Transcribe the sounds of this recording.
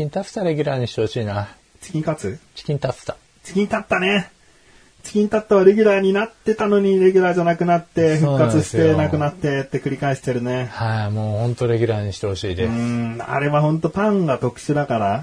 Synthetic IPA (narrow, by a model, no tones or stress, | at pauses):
ĩnt̪at͡st̪aɾe̞ɡʲyɾaːɲ̟iɕi̥t̪ehoɕiːna | t͡ɕi̥kʲĩɲkat͡sɨt͡ɕi̥kʲĩɲt̪at͡st̪ḁ | t͡ɕi̥kʲĩɲit̪at̪ːane̞ | t͡ɕi̥kʲĩnt̪at̪ːaβaɾe̞ɡʲyɾaːɲ̟inat̪ːe̞t̪ano̞ɲ̟iɾe̞ɡʲyɾaːʑanakɯ̟nat̪ːe̞ɸɯ̟kːkːat͡sɨɕi̥e̞nakɯ̟nat̪ːe̞t̪ːe̞kɯ̟ɾʲikaeiɕi̥t̪e̞ɾɯ̟ne̞haimoːhõ̞nt̪o̞ɾe̞ɡʲyɾaːɲ̟iɕi̥t̪eho̞ɕiːd̪eɯ̃a̰ɾe̞βaɦõ̞nt̪o̞pãŋɡat̪o̞kɯ̟̥ɕɨd̪akaɾa